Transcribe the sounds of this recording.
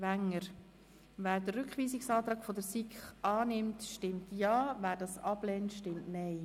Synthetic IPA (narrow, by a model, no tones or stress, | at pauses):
væŋːəɾ | væːɾdərʏkχʋiːsɪksɑːtɾɑːkfodəɾsikχʔɑːnɪmtʃtɪmtjɑːvæːɾdɑsɑb̥lɛːntʃtɪmtnɛɪ